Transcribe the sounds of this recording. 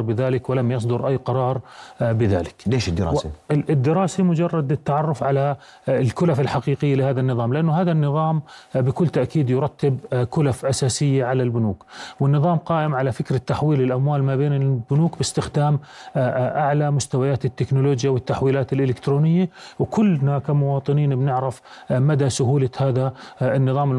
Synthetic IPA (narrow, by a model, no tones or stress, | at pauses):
ɾbɪðaːlɪkwɪlamjɑs̬ˤd̪ʊɾʔajːqɑɾˤɑːɾˤbɪða̰ːlɪkleːʃɪd̪ːɪɾɑ̰ɪd̪ːɪɾɑːsamʊd͡ʒɑrˤːɑd̪ɪt̪ːaʕɑrˤːʊfʕala | lkʊlafɪlħaqiːqɪjːalɪhaːðanːɨðˤɑːmlɪʔanːʊɦaːðanːɨðˤɑːmbɪkʊlːt̪aʔkiːd̪jʊɾˤɑt̪ːɪbkʊlafʔasaːsɪjːaʕalalbʊnuːkwɪnːɨðˤɑːmqɑːʔɪmʕalafɪkɾat̪ːaħwiːlɪlʔamwaːlmabeːnɪlbʊnuːkbɪst̪ɪxd̪aːm | ʔaʕlamʊst̪awajaːt̪ɪt̪ːɪknʊloːd͡ʒjawɪt̪ːaħwiːlaːt̪ɪlʔɪlɪkt̪ɾoːnɪjːawkʊlːnakamʊwɑːt̪ˤɨniːnbnɪʕɾɪfmad̪asʊɦuːlahaːðaɪnːɨðˤɑːmɪ